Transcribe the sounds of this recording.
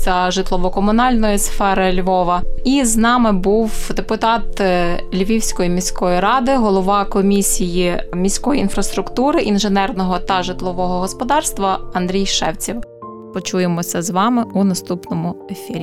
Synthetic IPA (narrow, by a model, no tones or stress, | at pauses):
sʲɐʒɪt̪lˠɔʋɔkɔmʊnɑlʲnɔjisfɛɾɪlʲʋɔʋɐiznɑmɪbuwd̪epʊt̪ɑt̪lʲʋʲiwsʲkɔjimʲisʲkɔjiɾɑd̪ɪɦɔlˠɔʋɑkɔmʲisʲijimʲisʲkɔjiinfɾɐst̪ɾʊkt̪uɾɪʔinʒenɛrnɔɦɔt̪ɐʒɪt̪lˠɔʋɔɦɔɦɔspɔd̪ɑrst̪ʋɐɐnd̪ɾʲijʃɛwt͡sʲiw | pɔt͡ʃujemɔsʲɐzʋɑmɪunɐst̪upnɔmʊefʲiɾʲi